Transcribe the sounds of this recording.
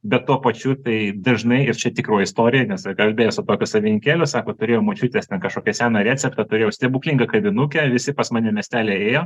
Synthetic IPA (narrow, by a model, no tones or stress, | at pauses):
bʲɛt̪tːuɔpɐt͡ʃʲʊt̪ɐɪd̪ɐʒnɐɪɪrt͡ʃʲɛt̪ʲɪkroːɪst̪oːɾʲɪjɛnʲɛskɐlʲbʲeːjoːsʊt̪oːkʲʊsɐʋʲɪnʲɪŋʲkʲæːlʲʊsɑːkoːt̪ʊɾʲeːjoːmot͡ʃʲʊt̪ʲeːstʲɛnkɐʃkoːkʲɛsʲæːnɑɾʲæːt͡sʲɛpt̪ɐt̪ʊɾʲeːjɛʊsʲt̪ʲɛbuːklʲɪŋɡɐkɐbʲɪnʊkʲɛʋʲɪsʲɪpɐsmɑːnʲɛmʲɛsʲt̪ʲæːlʲeːeːjoː